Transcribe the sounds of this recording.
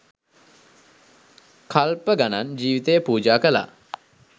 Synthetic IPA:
kʰalpəɡanand͡ʒiːʋit̪əjəpuːd͡ʒaːkəla̰

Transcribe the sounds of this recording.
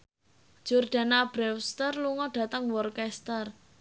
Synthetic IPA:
d͡ʒ̥urɖ̪̥a̤nab̥ɾɛwst̪ərluŋɔɖ̥ä̤t̪əŋwɔrkɛst̪ər

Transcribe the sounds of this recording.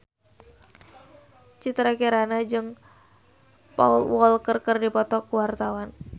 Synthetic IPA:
t͡ʃit̪ɾakiɾanad͡ʒɨŋ | paulwɔlkərkərdipɔt̪ɔkuwart̪awan

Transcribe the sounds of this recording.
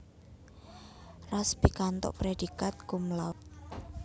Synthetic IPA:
rasb̥ikant̪ɔ̰ʔpɾed̥ikat̪̚kumlat̪̚

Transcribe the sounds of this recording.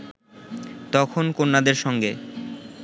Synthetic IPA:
t̪ɔkʰonkonːad̪eɾʃɔŋɡe

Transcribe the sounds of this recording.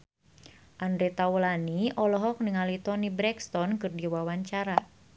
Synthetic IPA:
ʔandɾɛt̪awlaniʔɔlɔɦɔk̚niŋalit̪ɔnibɾɛkst̪ɔnkɨrdiwawaɲt͡ʃaɾa

